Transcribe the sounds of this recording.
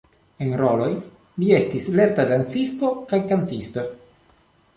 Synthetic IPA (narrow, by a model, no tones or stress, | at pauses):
enɾo̞lo̞j | lie̞stisle̞ɾtadant͡sisto̞kajkantisto̞